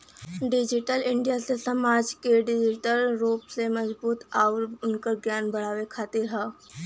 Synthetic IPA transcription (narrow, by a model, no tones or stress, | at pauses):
ɖɪd͡ʒiʈəlɪɳɖijasesəmaːd͡ʒkeɖɪd͡ʒiʈəlɾoːpsemɐzbuːt̪aʊɾʊnkəɾɡjaːnbəɽ̤aːʋekʰaːt̪iɾɦɛː